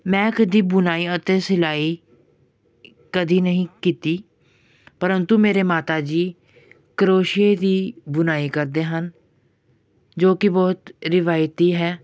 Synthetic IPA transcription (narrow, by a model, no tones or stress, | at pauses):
mɛ̃ːkəd̪iːbʊnaːiːət̪eːsɪlaːiː | kəd̪iːnəɦĩːkiːt̪iː | pəɾənt̪umeːɾeːmaːt̪aːd͡ʒiː | kəɾoːʃɪeːd̪iːbʊnaːiːkəɾd̪eːɦən | d͡ʒoːkɪbɔːt̪ɾɪʋaːjt̪iːɦɛː